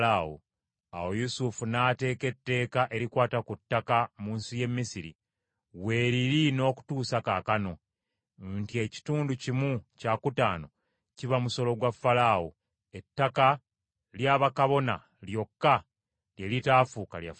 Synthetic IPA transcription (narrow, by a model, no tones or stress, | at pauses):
ao̰ | a̰wo̞jusufunate̞ːke̞tːe̞ːkaʔe̞ɾikwaːtakutːakamuːnsuje̞mːisiɾḭ | we̞ːɾiɾino̞ːku̥tuːsakaːkano̞ | ntie̞ci̥tuːnducimucaːkutaːno̞ | ciβamuso̞lo̞ɡwafːalaːwo | e̞tːaka | ljaːβakaβo̞na̰ | ljo̞kːa | jjelitaːfuːkalja̰